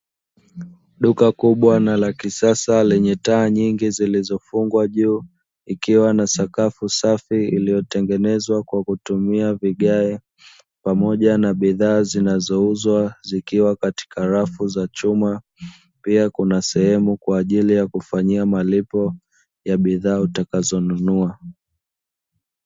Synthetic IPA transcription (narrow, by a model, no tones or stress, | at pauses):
ɗukakuɓwanalakisasalɛɲɛtaːɲiŋɡizilizɔfuŋɡwaʄuː | ikiwanasakafusafiilijɔtɛŋɡɛnɛzwakwakutumiaviɠaɛ | pamɔʄanaɓiðaːzinazɔuzwazikiwakati̥kaɾafuzat͡ʃuma | piakunasɛhɛmukwaːʄilijakufaɲiamalipɔ | jaɓiðaːutakazɔnunua